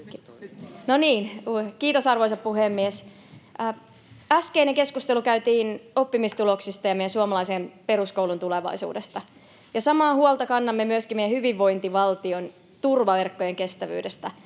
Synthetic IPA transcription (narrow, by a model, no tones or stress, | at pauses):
noniːnkiːt̪osɑrʋoisɑppuhemːiesː | æskeineŋke̞skust̪elukæyt̪iːnopːimist̪uloksist̪ɑjɑmejænsuɑmɑlɑisempe̞ɾuskowlunt̪uleʋɑ̰isṵːdest̪ɑ | jɑsɑmɑːhuolt̪ɑkɑnːɑmːemyøskimejæhyʋiʋːo̞int̪iʋɑlt̪ion | t̪urʋɑʋerkːojeŋke̞st̪æʋy̰ːdest̪ɑ